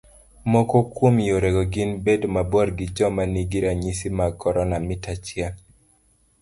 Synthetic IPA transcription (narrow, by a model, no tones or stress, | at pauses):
mɔkɔkwomjoɾeɡɔɡɪnbedomabɔɾɡɪd͡ʒɔmaniɡiɾaɲisimakɔɾɔnamɪtat͡ʃjaŋ